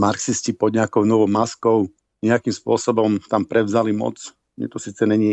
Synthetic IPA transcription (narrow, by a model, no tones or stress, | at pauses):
maɾksiscipɔd̪ɲɛakɔʊnɔʋɔʊmaskɔʊ | ɲɛakimspʊɔsɔbɔmt̪ampɾɛʋzalimɔ̰t͡s | mɲɛ̰t̪ɔsiːt͡sɛɲɛɲɪɛ